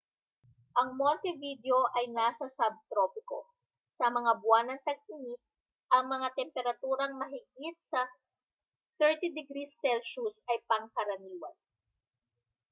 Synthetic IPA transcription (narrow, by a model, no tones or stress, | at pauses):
ʔɐŋmolt̪ɪvid̪jo̞ʔɐjnaːsɐsɐb̚t̪ɾopɪko̰ | sɐmɐŋabwanɐŋt̪ɐɡ̚ɪni | ʔɐŋmɐŋat̪ɛmpɛɾɐt̪uːɾɐŋmɐɦɪɡɪt̪̚sɐ | θɛɹt̪id̪ɛɡɾisːɛlʃusɐjpɐŋkɐɾɐniːwɐn